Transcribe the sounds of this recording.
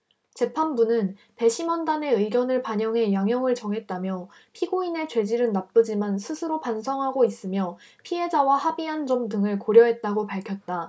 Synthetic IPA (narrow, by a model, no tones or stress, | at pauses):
t͡ɕe̞pʰanbunɯn | pe̞ɕʰimʌndane̞ɯiɡjʌnɯɭpaɲʌŋɦe̞jaŋɦjʌŋɯɭt͡ɕʌŋɦe̞t̚t͈amjʌ | pʰiɡoine̞t͡ɕwe̞d͡ʑiɾɯnnːap̚p͈ɯd͡ʑimansʰɯsʰɯɾopansʰʌŋɦaɡois͈ɯmjʌ | pʰiɦe̞d͡ʑawahabiɦand͡ʑʌmdɯŋɯɭkoɾjʌɦe̞t̚t͈aɡopaɭkʰjʌt̚t͈a